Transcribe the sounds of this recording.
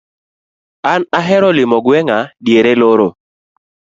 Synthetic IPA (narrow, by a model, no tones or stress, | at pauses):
anaɦɛɾɔlɪmɔɡwɛŋadjeɾeloɾo